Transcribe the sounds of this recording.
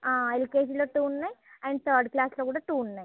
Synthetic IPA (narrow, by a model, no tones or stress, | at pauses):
aːelikeːʃ̬ɐnloːʈuːnnajɐɳɖt̪ʰəːɾɖklaːsloːkuːɽaːʈuːnnːaj